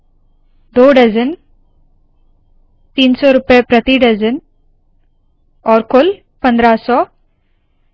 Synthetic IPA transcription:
d̪oːɖɐd͡ʒɐn | t̪iːnsoːɾɯpːepɾɐt̪iɖɐd͡ʒɐn | ɔːɾkol | pɐnd̪ɾaːsɔː

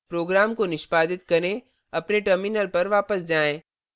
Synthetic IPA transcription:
pɾoːɡɾaːmkonɪʃpaːd̪ɪt̪kɐɾẽ | ɐpneʈəɾmɪnəlpɐɾʋaːpəsd͡ʒaːẽː

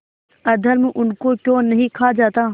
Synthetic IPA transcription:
ɐd̪ʱəɾmeʔʊnkokjõːnɐɦĩkʰaːd͡ʒaːt̪a

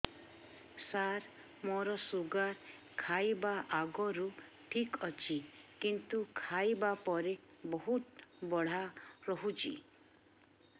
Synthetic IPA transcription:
saɾ | mɔɾɔsuɡaɾ | kʰajbaʔaɡɔɾu | ʈʰikɔt͡ʃʰikint̪ukʰajbapɔɾebɔɦut̪bɔɽ̤aɾɔɦut͡ʃʰḭ

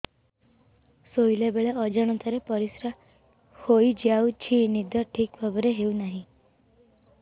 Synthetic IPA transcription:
sojlebeɭeɔd͡ʒaɽ̃ɔt̪ʰaɾepɔɾisɾa | hojd͡ʒiawt͡ʃʰinid̪ʱɔʈʰikbʱabɔɾeɦeunaɦĩ

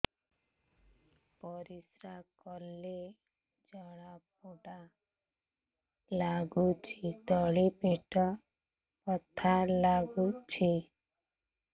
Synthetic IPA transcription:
pɔɾisɾakɔlːe | d͡ʒɔɽap̚oɽa | laɡut͡ʃʰit̪ɔɭipeʈɔ | pɔt̪ʰalaɡut͡ʃʰi

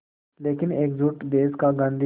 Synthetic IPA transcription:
leːkɪneːkzuːʈb̪eːskaɡə̃nd̪i

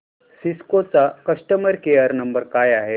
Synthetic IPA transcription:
siskot͡sakəsʈəməɾkeəɾnəmbəɾkaːjaɦe

